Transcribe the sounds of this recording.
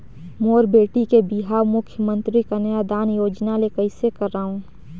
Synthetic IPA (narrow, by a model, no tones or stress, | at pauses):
moːɾbeːʈikebiɦaːmʊkʰjəmə̃nt̪ɾikanəjad̪aːnjoːd͡ʒnalekəɪsekəɾːaːɦũ